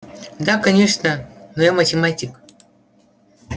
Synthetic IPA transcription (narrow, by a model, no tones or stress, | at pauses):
d̪akɐnʲeʂnəmɨjamɐtʲɪmatʲik